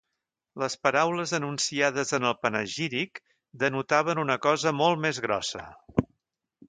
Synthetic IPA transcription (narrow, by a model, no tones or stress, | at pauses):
ləspəɾawləzənunsiað̞əzənəlˠpənəʒiɾik | d̪ənut̪aβ̞ənunəkɔzəmɔlˠtmezɣɾɔ̰sə̰